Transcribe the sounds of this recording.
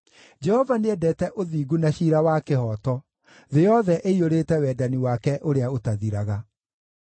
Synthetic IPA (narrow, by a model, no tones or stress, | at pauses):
d͡ʒɛhɔvaneɛdɛtɛʔoðiːɡunaɕiːɾawakehɔːtɔ | ðejɔðɛʔeioɾeːtɛwɛːdaniwakɛʔoɾeaotaðiɾaɣa